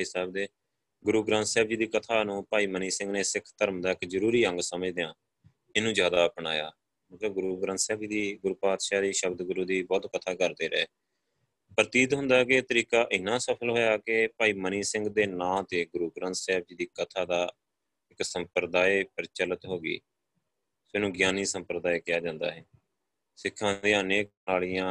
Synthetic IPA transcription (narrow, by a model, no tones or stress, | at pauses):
iːsɛːb̚d̪eː | ɡʊɾuːɡɾãːnt̪sɛːb̚d͡ʒiːd̪iːkət̪ʰaːnũːpaːiːməniːsɪ̃ŋɡneːsɪkʰt̪əɾəmd̪aːɪkzəɾuːɾiːə̃ŋɡsəməd͡ʒd̪ejãː | ɪnũːd͡ʒjaːd̪aːpɳa̰ːja̰ː | məkəɡʊɾuːɡɾə̃ːnt̪sɛːbd͡ʒiːd̪iːɡʊɾuːpaːd̪ʃaːd̪iːʃəbd̪ɡʊɾuːd̪iːbɔːt̪kət̪ʰaːkəɾd̪eːɾə̰ː | pəɾt̪iːt̪ɦʊ̃nd̪aːket̪əɾiːkaːʔɪnːãːsəpʰəlɦoːjaːkepaːiːməniːsɪŋɡd̪eːnãːt̪eːɡʊɾuːɡɾə̃nt̪sɛːb̚d͡ʒiːd̪iːkət̪ʰaːd̪aː | ɪksəmpɾəd̪aːeːpəɾt͡ʃələt̪ɦoːɡḭː | sonũːɡjaːniːsəmpɾəd̪aːeːkɪjaːd͡ʒãːnd̪a̰ːɦɛː | sɪkʰːãːd̪iãːneːknaːlɪjãː